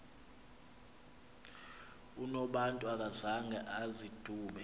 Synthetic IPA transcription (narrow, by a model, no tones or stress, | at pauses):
unɔɓantʼuak̬ʼazaŋɡʱɛʔazid̥ʱuːɓɛ